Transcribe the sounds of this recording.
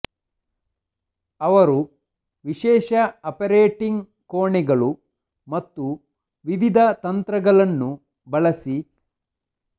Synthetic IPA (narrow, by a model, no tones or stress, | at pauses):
ɐʋɐɾu | ʋiʃɛːʃɐɐpɐɾeːʈiŋɡ | koːɳɛɡɐɭu | mɐt̪ːu | ʋiʋid̪ʱɐt̪ɐnt̪ɾɐɡɐɭɐnːu | bɐɭɐsi